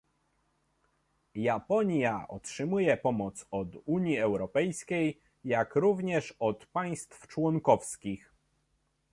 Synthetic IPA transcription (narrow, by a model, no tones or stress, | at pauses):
japɔɲjaʔɔ̰tʂɘmujɛpɔmɔt̪sɔd̪uɲjiɛwɾɔpɛjskʲej | jakɾuvɲɛʂɔt̪paj̃st̪ft͡ʂwɔŋkɔfskʲix